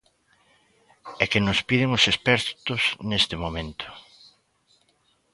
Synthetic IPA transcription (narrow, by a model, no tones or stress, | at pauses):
ɛkɪnʊspiðɪŋʊsespɛɾt̪ʊsnest̪ɪmomẽnt̪ʊ̥